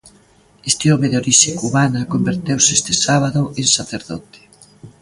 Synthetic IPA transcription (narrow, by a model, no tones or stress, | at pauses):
est̪eɔmeðeoɾiʃekuβanɐkombeɾt̪ewsest̪esaβ̞aðoʔeŋsaθeɾðɔt̪e̥